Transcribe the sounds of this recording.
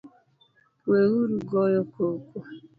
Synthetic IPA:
weɣuɾuɡɔjɔkokʷu

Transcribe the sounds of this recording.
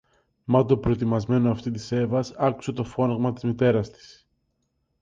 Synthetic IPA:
mɐt̪opɾo̞et̪imɐzme̞noɐft̪it̪ise̞vɐsɐku̥se̞t̪o̞fo̞nɐɣmɐt̪izmit̪e̞ɾɐst̪i̥s

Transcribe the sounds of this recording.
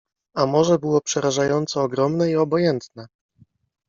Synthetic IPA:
amɔʐɛbɘwɔpʂɛɾaʐajɔnt̪sɔːɡɾɔmnɛiɔbɔjɛnt̪nɛ

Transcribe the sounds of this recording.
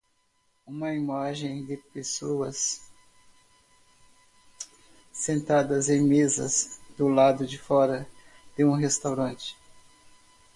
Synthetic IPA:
ũmɐimaʒẽj̃d̪ɪpesoɐs | ẽnt̪ad̪ɐzẽj̃mezɐ̰zd̪ʊlad̪ʊd͡ʒɪfɔɾɐ | d̪̥ɪũɦest̪awɾɐ̃nt͡ʃɪ̥

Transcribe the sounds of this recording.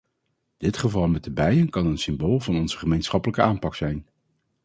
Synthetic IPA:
d̥ɪtχəvɑlˠmɛt̚əbɛjənkɑnənsɪmboːlˠvɑnɔnz̥əχəmejnsχɑpələkəʔaːmpɑksɛjn

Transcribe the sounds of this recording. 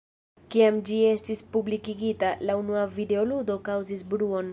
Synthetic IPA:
kiamd͡ʒie̞stispublikiɡitalaunuavide̞o̞ludo̞kawzisbɾuo̞n

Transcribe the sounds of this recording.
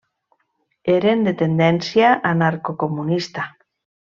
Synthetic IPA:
eɾend̪et̪end̪ensjaʔanaɾkokomunist̪a

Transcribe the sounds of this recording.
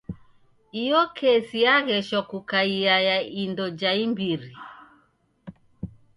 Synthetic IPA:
ijɔkʰɛsiaɣɛʃɔkukaiajaindɔd͡ʒaimbiɾi

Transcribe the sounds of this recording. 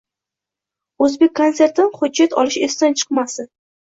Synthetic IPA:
ɵzbek̚ʲkʰːonse̞ɾt̪ʰɪnχʊd͡ʒːat̪ʰɒ̰lɪʃest̪ant͡ʃʰɨ̥qmasɪ

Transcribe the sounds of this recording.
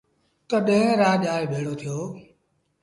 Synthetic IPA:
t̪əɗẽɪ̃ɾaːʄaːeːbʱeːɽoːt̪ʰɪjoː

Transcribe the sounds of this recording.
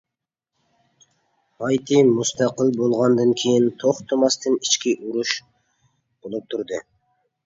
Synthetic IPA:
ɑjt̪ʰɨmust̪ʰɑqəlˠbolˠʁɑnd̪ɨŋkʲʰejint̪ʰoχt̪ʰɨmɑst̪ʰɨnit͡ʃkʲiʔuɾuʃ | b̥olˠup̚t̪ʰuɾd̪ɨ

